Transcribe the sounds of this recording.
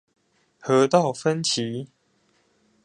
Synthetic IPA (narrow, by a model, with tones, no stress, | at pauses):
hɤ˨˦t̪o˥˨fə˦nt͡ɕʰi˨˦